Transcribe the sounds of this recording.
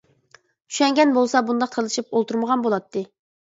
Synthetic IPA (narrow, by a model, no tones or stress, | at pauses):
t͡ʃʰy̥ʃɛŋɡʲɛnbolˠsɑbund̪ɑq̚t̪ʰəɾlˠɨʃipolˠt̪ʰuɾməʁɑnbolˠɑt̪ːɨ